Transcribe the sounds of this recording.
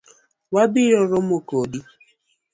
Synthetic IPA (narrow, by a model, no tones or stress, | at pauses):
wabɪɔɾɔmokodi